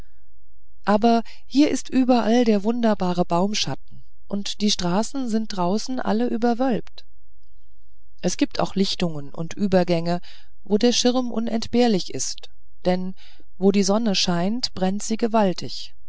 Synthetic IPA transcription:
ʔaːbɐ | hiːɐʔɪstʔyːbɐʔaldeːɐvʊndɐbaːʁəbaʊmʃat̚n̩ | ʔʊntd̥iːʃtʁ̥aːsn̩zɪnt̚d̥ʁaʊsn̩ʔa̰ləʔyːbɐvœlpt | ʔɛsɡ̥iːp̚tʰa̰ʊxlɪçtʊŋənʔʊ̰ntʔyːbɐɡɛŋə | voːdeːɐʃɪʁɐmʔʊ̰nɛntb̥eːɐlɪçɪst | d̥ɛn | voːdiːzɔnəʃaɪntb̥ʁɛntz̥iːɡəvaltɪç

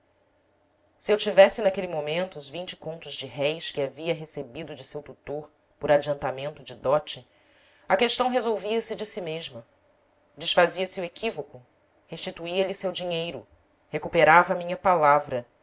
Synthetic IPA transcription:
siewt͡ʃivɛsɪnakelimomẽnt̪uːzvĩnt͡ʃɪ̥kõnt̪ʊzd͡ʒɪɦɛjskɪaviɐɦesebid̪ʊd͡ʒɪsewt̪ut̪oɾ | poɾad͡ʒiɐ̃nt̪amẽnt̪ʊd͡ʒɪd̪ɔt͡ʃɪ | ɐkeʃt̪ɐ̃w̃ɦezowviɐsɪd͡ʒɪsimeʒmɐ | d͡ʒɪʃfaziɐsiuekʰivokʊ | heʃt͡ʃit̪uiɐlisewd͡ʒiɲejɾʊ | hekupeɾavɐːmĩɲɐpalavɾɐ

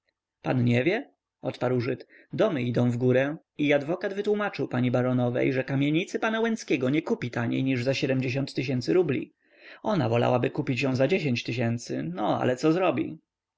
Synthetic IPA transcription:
pa̰nɲɛvʲjɛ | ɔt̪paɾwʐɘt̪ | d̪ɔmɘid̪ɔ̃w̃vɡuɾɛ | iad̪vɔkad̪vɘt̪wumat͡ʂɘwpaɲibaɾɔnɔvɛ̰jʐɛkamʲjeɲit̪sɘpanawɛnskʲɛɡɔɲɛkupʲit̪aɲḛjɲiʐzaɕɛd̪ɛmd͡ʑeɕ̬ɔ̃nt̪ːɘɕ̬ɛnt̪sɘɾublʲḭ | ɔna̰vɔla̰wabɘkupʲit͡ɕjɔ̃w̃zad͡ʑeɕeɲt͡ɕt̪ɘɕ̬ɛnt̪sɘ̰nɔa̰lɛt̪sɔzɾɔbʲḭ

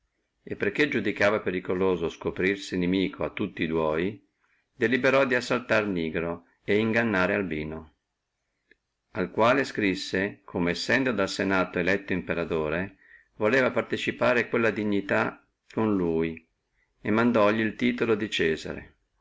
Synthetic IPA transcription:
epːerk̟ːed͡ʒud̪ikaːvapeɾikoloːzoskopɾirsinemiːkʰoat̪ːut̪ːid̪wɔːj | d̪elibeɾɔd̪iasːalt̪arniːɡɾo | eiŋɡanːaːɾealbiːno | alkwaːleskɾisːekʰomeesːɛnd̪od̪alsenaːt̪oelɛt̪ːoimpeɾat̪oːɾe | voleːvapart̪et͡ʃipaːɾekwelːad̪iɲːit̪a | konluːj | emːand̪ɔʎːiːlt̪iːt̪olod̪it͡ʃɛːza̰ɾḛ

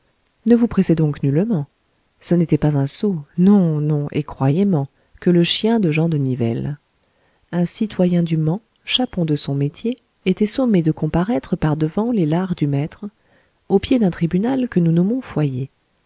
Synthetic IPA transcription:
nəvupχɛsɛd̪ɔ̃knylmɑ̃ | sənet̪ɛpazɛ̃sonɔ̃nɔ̃ʔḛkχwajemɑ̃ | kələʃjɛ̃d̪əʒɑ̃d̪ənivɛ̰l | ɛ̃sit̪wajɛ̃d̪ymɑ̃ | ʃapɔ̃d̪əsɔ̃met̪jeː | t̪ɛsɔmed̪əkɔ̃paʁɛt̪χəpaʁd̪əvɑ̃lelaʁd̪ymɛt̪χ | opjed̪ɛ̃t̪χibynalkənunɔmɔ̃fwaje

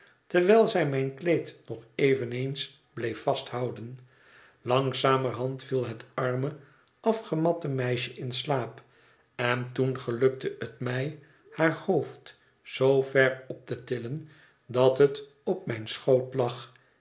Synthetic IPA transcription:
təɹʋɛlˠzɛjmɛjnklejtnɔχejvənejns | b̥lejfɑsthɑwdən | lɑŋsaːməɹɦɑntfilˠɦətɑɹmə | ɑfχəmɑtəmɛjʃəʔɪnslaːp | ɛntunχəlɵk̚təʔətmɛj | haːɹhowft | z̥owvɛɹɔp̚tətɪlən | dɑtɦət | ɔp̚mɛjnsχowtlɑχ

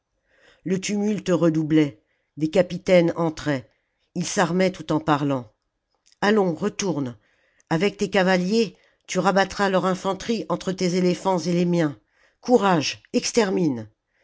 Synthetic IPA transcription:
lət̪ymylt̪əʁəd̪ublɛ | d̪ekapit̪ɛnɑ̃t̪χɛ | ilsaʁmɛt̪ut̪ɑ̃paʁlɑ̃ | alɔ̃ʁət̪uʁn | avɛk̚t̪ekavalje | t̪yʁabat̪χalœʁɛ̃fɑ̃t̪χiɑ̃t̪χət̪ezelefɑ̃zelemjɛ̃ | kuʁaʒɛkst̪ɛʁmin

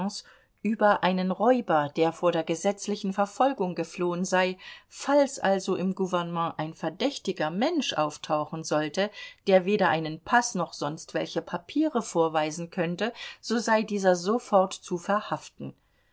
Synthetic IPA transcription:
s | ʔyːbɐʔaɪnənʁɔʏbɐd̥eːɐfoːɐɾeːɐɡəzɛt͡slɪçn̩fɛɐfɔlɡʊŋɡəfloːənzaɪfalsʔa̰lzoʔɪmɡuvɛɐnəmɑ̃ːʔaɪnfɛɐdɛçtɪɡɐmɛnʃʔa̰ʊftʰaʊxn̩zɔltəd̥eːɐveːɾɐʔaɪnənpʰasnɔχz̥ɔnstv̥ɛ̰lçəpʰapʰiːʁəfoːɐvaɪzn̩kʰœntəz̥oːzaɪdiːzɐzofɔɐtt͡sufɛɐhaftn̩

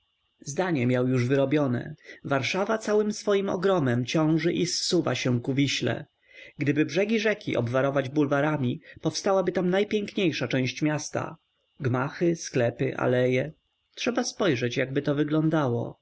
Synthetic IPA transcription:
zd̪aɲɛmʲjawjuʐvɘɾɔbʲjɔnɛ̰vaɾʂavat̪sawɘmsfɔjimɔ̰ɡɾɔmɛmt͡ɕɔ̃w̃ʐɘʔisːuva̰ɕɛ̃kuvʲiɕlɛ̰ | ɡd̪ɘbɘbʐɛɡʲiʐɛkʲḭʔɔ̰bvaɾɔvad͡ʑbulvaɾamʲipɔfst̪awabɘt̪amnajpʲjɛŋkɲejʂat͡ʂɛ̃w̃ɕt͡ɕmʲjast̪a̰ | ɡmaxɘsklɛpɘʔa̰lɛjɛ | tʂɛbaspɔjʐɛt͡ɕjaɡ̚bɘt̪ɔvɘɡlɔ̃nd̪awɔ̰

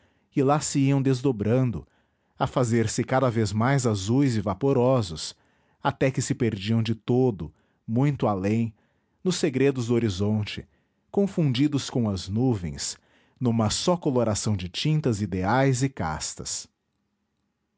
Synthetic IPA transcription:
ɪlasɪiɐ̃w̃d̪ezd̪obɾɐ̃nd̪ʊ | ɐfazeɾsɪkad̪ɐvezmajzazujzɪvapoɾɔzʊs | at̪ɛkɪsɪpeɾd͡ʒiɐ̃w̃d͡ʒɪt̪od̪ʊ | mũj̃t̪ʊalẽj̃ | nʊsːeɡɾed̪ʊzd̪ʊoɾizõnt͡ʃɪ̰ | kõfũnd͡ʒid̪ʊskõw̃ɐznuvḛ̃j̃s | nũmɐsɔkoloɾasɐ̃w̃d͡ʒɪt͡ʃĩnt̪ɐzid̪eajzɪka̰st̪ɐ̰s

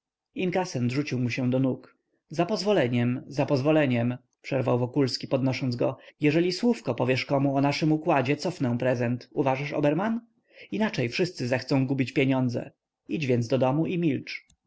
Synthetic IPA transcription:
inkasɛnʐut͡ɕiwmuɕɛ̃d̪ɔnuk | zapɔzvɔlɛɲɛmzapɔzvɔlɛɲɛm | pʂɛɾvawvɔkulskʲipɔd̪nɔʂɔnzɡɔjɛʐɛlʲiswufkɔpɔvʲjɛʂkɔmuɔnaʂɘmukwad͡ʑɛt̪sɔfnɛw̃pɾɛzɛnt̪uvaʐaʂɔ̰bɛɾman | inat͡ʂɛjfʂɘst̪sɘzɛxt̪sɔ̃w̃ɡubʲit͡ɕpʲjeɲɔnd̪zɛ̰ | id͡ʑvʲjɛnd̪d̪ɔd̪ɔmuʔimʲilt͡ʂ

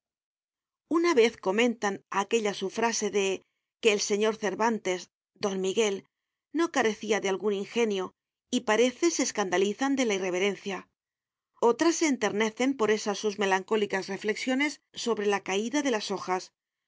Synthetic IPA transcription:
unaβe̞θko̞mẽ̞nt̪anake̞ʎasufɾase̞ðe̞ | ke̞ːlse̞ɲo̞ɾθe̞ɾβant̪e̞z | d̪o̞nmiɣe̞l | no̞kaɾe̞θiaðealɣuniŋxe̞njo | ipaɾe̞θe̞seːskand̪aliθand̪e̞laire̞β̞e̞ɾe̞nθja | o̞t̪ɾasːe̞ːnt̪e̞ɾne̞θe̞mpo̞ɾe̞sasːuzme̞laŋko̞likasre̞fle̞ksjo̞ne̞sːo̞βɾe̞lakaiðaðe̞laso̞xas

